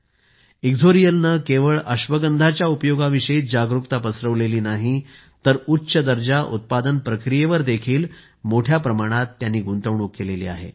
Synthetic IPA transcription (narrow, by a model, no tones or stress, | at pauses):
iɡd͡zʱoɾijəlnəkeʋəɭəɕʋəɡənd̪ʱat͡ɕjaupjoɡaʋiʂəiːt̪̚d͡ʑaɡɾukt̪apəsɾəʋleliːnaɦi | t̪əɾutːɕəd̪əɾd͡ʑaʔut̪̚pad̪ənpɾəkɾijeʋəɾd̪ekʰiːl | moʈʰjapɾəmaɽ̃at̪ːjanːiːɡunt̪əʋɳ̃uːkkːelelḭːa̰ɦḛ